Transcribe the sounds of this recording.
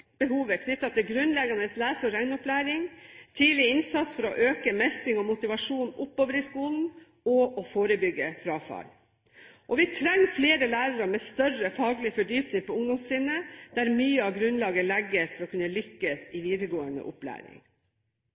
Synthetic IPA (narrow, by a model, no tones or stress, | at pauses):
b̥əhuːʋəkʰnʏt̪ːɑt̪ʰɪlɡɾʉnlɛɡɑnəslæːsɔɾæɪnʊplæːɾɪŋt̪ʰiːlɪɪnsɑt̪sfɔɾɔʔøːkəmɛst̪ɪŋɔmʊt̪ɪʋɑʂuːnʊpːoːʋəɾɪskuːln̩ | ɔʔɔfoːɾəbʏɡːəfɾɑːfɑ̰l | ʔɔʋɪt̪ʰɾɛŋfleːɾəlæːɾɑɾɑmɛst̪œrəfɑːɡlɪfɔɖyːpnɪŋpɔʊŋd̪ʊmssɪnːəd̪̥æɾmyːəɑɡɾʉnlɑːɡəlɛɡːəsfɔɾɔkʰʉnːəlʏkːəsɪʋiːd̪əɡoːənə̰ʔʊ̰plæ̰ːɾɪ̰ŋ